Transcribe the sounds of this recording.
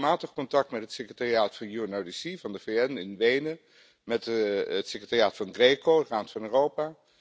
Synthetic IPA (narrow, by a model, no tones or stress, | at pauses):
maːtəχkɔntɑk̚tmɛtɦətsekrətaːriaːtfɑnjuənowdisivɑndəveːɛnɪnʋejnə | mɛtətsekrətarjaːtfɑnɡreːkoəraːmtfɑnøːrowpaː